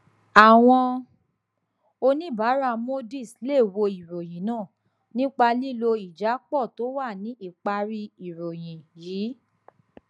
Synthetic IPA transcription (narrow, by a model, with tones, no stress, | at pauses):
a˨w̃ɔ̃˧ | o˧nĩ˦ba˨˦ɾa˦˨mo˦di˦˨sle˦˨wo˧i˨ɾo˨j̃ĩ˨˦nãː˦˨ | nĩ˦k͡pa˧li˦˨lo˧i˨d͡ʒa˨˦k͡pɔ˦˨to˨˦wa˦˨nĩ˨˦ʔi˦˨k͡pa˧ɾi˧i˨ɾo˨j̃ĩ˨jiː˨˦